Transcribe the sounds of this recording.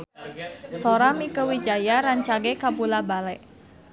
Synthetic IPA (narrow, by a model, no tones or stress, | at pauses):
sɔɾamikəwid͡ʒajaɾaɲt͡ʃaɡekabulabalɛʔ